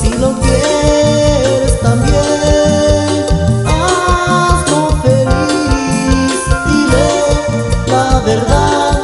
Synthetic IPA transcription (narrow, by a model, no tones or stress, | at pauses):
silokje | ɾest̪ãmbje | a | skofeli | siɾe | laβeɾða